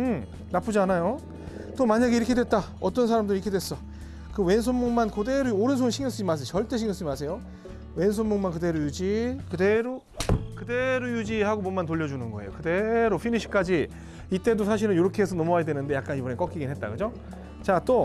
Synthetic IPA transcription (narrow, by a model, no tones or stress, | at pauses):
ɯm | nap͈ʰud͡ʑianajo | t͈omaɲaɡe̞iɾʌkʰe̞dwet̚t͈a | ʌt͈ʌnsʰaɾamdɯɾiɾkʰedwes͈ʌ | kɯwe̞ns̬ʰonmːoŋmankode̞ɾooɾɯnsʰonɕʰiŋjos͈ɯd͡ʑimas̬ʰet͡ɕʌɭt͈e̞ɕʰiŋjosɯimas̬ʰe̞jo | we̞ns̬ʰonmoŋmankɯde̞ɾojud͡ʑikɯde̞ɾo | kɯde̞ɾojud͡ʑihaɡomʌnmantoʎːʌd͡ʑunɯnɡʌejo̰kɯde̞ɾopʰiniɕʰi̥k͈ad͡ʑi | it͈e̞dosʰaɕ̬ʰiɾɯnjoɾʌkʰeesʰʌnʌmʌajadwenɯnde̞jak͈̚anibɯnek͈ʌk͈iɡinɦet̚t͈a̰kɯd͡ʑo | t͡ɕat͈o